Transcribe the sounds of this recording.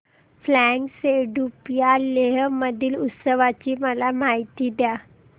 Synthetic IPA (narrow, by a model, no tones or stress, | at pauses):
flæŋkseɖupjaleɦməd̪ʱiːlut̪səʋat͡ɕiːməlamaɦit̪iːd̪ja